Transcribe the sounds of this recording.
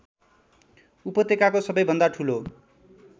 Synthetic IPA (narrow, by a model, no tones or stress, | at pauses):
upʌt̪ekakosʌbʌjbʱʌnd̪aʈʰulo